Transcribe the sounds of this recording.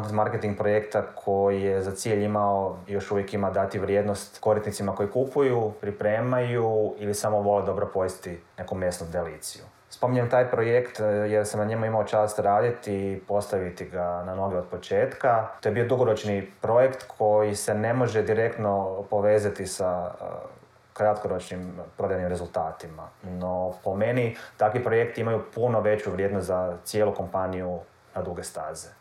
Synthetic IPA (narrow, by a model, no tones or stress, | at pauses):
t̪maɾket̪iŋɡ̚pɾo̞je̞kt̪akʰo̞jijezat̪siːʎimaojo̞ʃuʋjekimad̪at̪iʋɾʲjed̪nost̪ko̞ɾisnit̪simako̞jikupujupɾipɾe̞ːmajuilisamoʋo̞led̪o̞bɾopo̞ist̪ine̞kume̞snod̪ealiːt̪siju | spo̞miɲemt̪aːjpɾojekt̪jeɾsamnaɲemuimao̞t͡ʃaːst̪ɾaːd̪it̪ipo̞st̪aʋit̪iɡanamno̞ɡio̞d̪̚po̞t͡ʃe̞ːt̪kat̪ojebio̞d̪uɡo̞ɾo̞t͡ʃnipɾo̞je̞kt̪kʰo̞jise̞ne̞mo̞ʒed̪iɾe̞kt̪no̞po̞ʋe̞ːzat̪isa | kɾat̪koɾo̞t͡ʃnimpɾo̞d̪ajnimɾe̞zulˠt̪aːt̪ima̰no̞po̞me̞nit̪akʋipɾo̞je̞kt̪iimajupuno̞ʋe̞t͡ɕuʋɾʲjed̪nost̪zat̪sjeluko̞mpaniju | nad̪uɡe̞st̪aːze